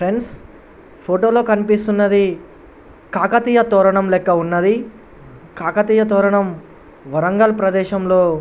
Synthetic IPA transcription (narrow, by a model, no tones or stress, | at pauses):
pʰɾe̞ɳɖs | pʰoːʈoːlo̞ːkɐnipist̪unːɐd̪i | kaːkɐt̪ijɐt̪ɔːɾɐɳɐmlɛkːɐunːɐd̪i | kaːkɐt̪iːjɐt̪ɔːɾɐɳɐm | ʋɐɾɐŋɡɐlpɾɐd̪ɛːʃɐmlo̞ː